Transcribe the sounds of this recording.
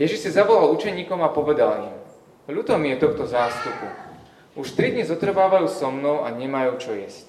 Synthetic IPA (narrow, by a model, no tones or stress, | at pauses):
jɛʒiʃsizaʋɔlalut͡ʃɛɲiːkɔmapɔʋɛd̪alḭm | ʎut̪ɔmjɛt̪ɔxt̪ɔzaːst̪upu | uʃt̪ɾid̪ɲizɔt̪r̩ʋaːʋajuːsɔmnɔʊa̰ɲɛmajuːt͡ʃɔjɛsc